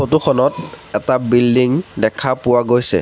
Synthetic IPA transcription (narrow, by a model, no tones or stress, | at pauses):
xotuxʰɔnɔtɛtabildiŋdɛkʰapʊwaɡojsɛ̰